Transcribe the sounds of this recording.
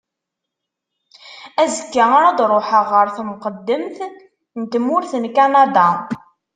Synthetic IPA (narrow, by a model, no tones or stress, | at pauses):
æzəkːaaɾæd̪ɾˤoħəʁːəɾθmqəd̪ːəmθ | nt̪mːʊɾθnkanad̪a